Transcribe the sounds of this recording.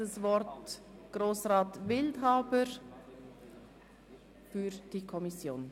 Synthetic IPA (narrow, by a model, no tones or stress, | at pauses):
əsvɔɾtɡ̥ɾoːsʁɑːtvɪldɦaːbəɾ | fyːɾd̥ikʰɔmisjoːn